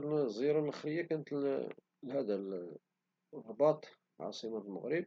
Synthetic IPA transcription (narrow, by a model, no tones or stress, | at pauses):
ɾnzˤiɾɑlʔəxɾəjakænət̪l | lhæd̪æl | rˤːɑbɑt̪ˤ | ʕɑ̰sˤəmalməɣɾəb̚